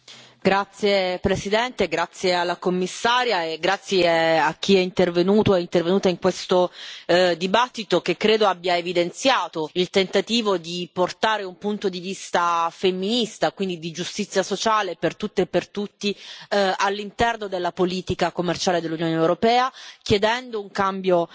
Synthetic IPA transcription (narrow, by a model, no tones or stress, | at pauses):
ɡɾat̪sjepɾesid̪ɛnt̪eɡɾat̪sːjealːakomːisːaːɾjaeɡɾat̪sːjeak̟ːiɛint̪ervenuːt̪oɛint̪ervenuːt̪aiŋkwest̪o | d̪ibat̪ːit̪okekːɾeːd̪oabːjaevid̪ent̪sjaːt̪oilt̪ent̪at̪iːvod̪iport̪aːɾeumpunt̪od̪ivist̪afemːinist̪akwind̪id̪id͡ʒust̪it̪sːjasot͡ʃaːlepert̪ut̪ːepːert̪ut̪ːialːint̪ɛrnod̪elːapoliːt̪ikakomːert͡ʃaːled̪elːunjoːneːwɾopɛːakjed̪ɛnd̪ouŋkambjo